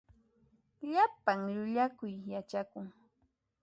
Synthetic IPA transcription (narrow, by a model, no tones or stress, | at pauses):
ʎapaŋʎʊʎakʊjːat͡ʃakʊŋ